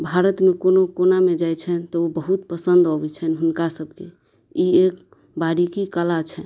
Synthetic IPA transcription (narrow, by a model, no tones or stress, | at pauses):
bʱaɾət̪mekonokonamed͡ʒajt͡ʃʰɛt̪ɔobəɦut̪pəsənd̪ɔbɛt͡ʃʰɛnɦunkasəbʱke | iek | baɽikikəlat͡ʃʰɛ